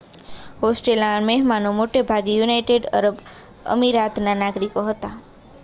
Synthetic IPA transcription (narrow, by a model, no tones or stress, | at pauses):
hosʈelãɳmeɦmanomoʈebʱaɡijunajʈeɖə̰ɾəb | ə̰miɾat̪nanaɡɾikoɦət̪a